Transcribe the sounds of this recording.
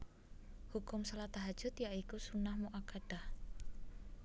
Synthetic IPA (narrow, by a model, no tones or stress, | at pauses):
hukʊmsəlat̪aɦad̥ʒ̥ʊ̤t̪jaʔikusunahmuʔakaɖ̥ah